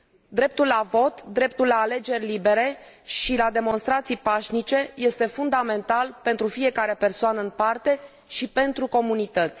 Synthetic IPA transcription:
d̪ɾe̞p̚t̪ulːavo̞t̪d̪ɾe̞p̚t̪ulːaːle̞d͡ʒe̞rʲlibe̞ɾe̞ʃilad̪e̞mo̞nst̪ɾat̪sijpaʃnit͡ʃe̞je̞st̪e̞fund̪ame̞nt̪alpe̞nt̪ɾufije̞kaɾe̞pe̞rsoanəɨnpart̪e̞ | ʃipe̞nt̪ɾuko̞munit̪ət̪sʲ

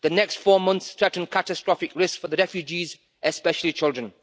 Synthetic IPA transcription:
ðənɛkstfɔːmʌ̃nθstɹɛtn̩kʰatəstɹ̥ɔfɪkɹɪskfəðəɹɛfjud͡ʒiz | ʔɛspɛʃəlˠit͡ʃʰɪlˠdɹə̃n

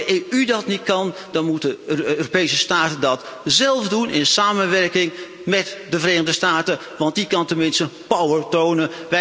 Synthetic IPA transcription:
əʔeʔydɑtnit̚kɑn | dɑnmutəøːropejsəstaːtəndɑtzɛlˠfdunʔɪnsaːmənʋɛrkɪŋ | mɛtdəvəreːxəndəstaːtə | ʋɑnt̚ikɑntənmɪnstəpawəɹtownəʋ

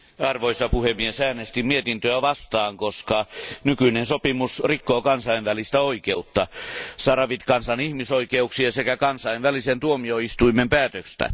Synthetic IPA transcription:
ɑrʋoisɑpuhemːiesæːnest̪imiet̪int̪øæʋɑst̪ɑːŋkoskɑnykyinensopimusrikːoːkɑnsɑinʋælist̪æoikeut̪ːɑsɑrɑʋit̪kɑnsɑnihmisoikeuksiɑsekækɑnsɑijnʋælisent̪uomioist̪uimempæːt̪økst̪æ̰

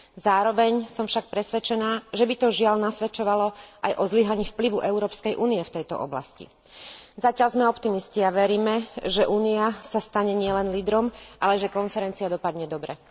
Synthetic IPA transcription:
zaːɾɔʋɛɲsɔmfʃak̚pɾɛsʋɛt͡ʃɛnaːʒɛbit̪ɔʒɪalnasʋɛt͡ʃɔʋalɔʔajʔɔzliɦaɲiːfpliʋuʔɛʊɾɔːpskɛjʔuːniɛft̪ɛjt̪ɔ̰ʔɔ̰bla̰scḭ | zacɪalzmɛɔpt̪imisciaʋɛɾiːmɛʒɛʔuːniasast̪aɲɛɲɪɛlɛnliːd̪ɾɔmʔalɛʒɛkɔnfɛɾɛnt͡siad̪ɔpad̪ɲɛd̪ɔbɾɛ

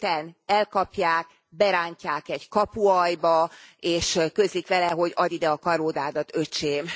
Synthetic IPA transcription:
t̪ɛnɛlkɒpjaːk̚ | bɛɾaːɲcaːkɛɟkɒpuɒjbɒeːʃkøzikʋɛlɛɦo̞ɟɒd̪id̪ɛɒkɒɾoːd̪aːd̪ɒt̪øt͡ʃeːm

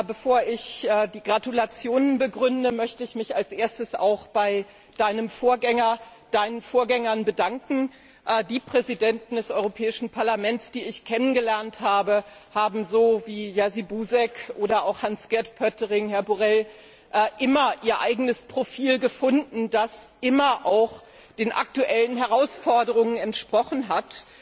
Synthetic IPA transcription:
bəfoːɐʔɪçɛːdiːɡʁatulat͡sjoːnənbəɡʁʏndəmœçtəɪçmɪçalsʔeːɐstəsa̰ʊxb̥aɪ | d̥aɪnəmfoːɐɡɛŋɐ | d̥aɪnənfoːɐɡɛŋɐnbədaŋkŋ̩ | ʔdiːpʁ̥ɛzidɛntn̩dɛsʔɔʏʁopʰɛːɪʃn̩pʰaɐlamɛnsd̥iːɪçkʰɛnənɡəlɛɐnthaːbəhaːbm̩zoːviːjazibuːzɛkʰʔoːɾɐaʊxhansɡ̥ɛɐtpʰœtəʁɪŋhɛɐbuʁɛl | ʔʔɪmɐʔiːɐʔaɪɡənəspʁ̥ofiːlɡəfʊndn̩dasʔɪmɐʔaʊx | d̥eːnʔa̰k̚tuʔɛlənɦɛʁaʊsfɔɐdəʁ̞ʊŋənɛntʃpʁ̥ɔχn̩ɦat

